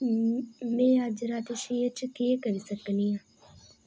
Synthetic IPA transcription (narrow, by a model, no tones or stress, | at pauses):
mẽːəd͡ʒɾaːt̪eʃiət͡ʃkeːkəɾisəkniãː